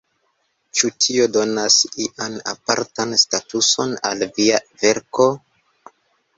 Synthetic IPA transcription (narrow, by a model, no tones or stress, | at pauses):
t͡ʃutʰio̞do̞nasiʔana̰paɾtanstatuso̞na̰lviave̞ɾko̞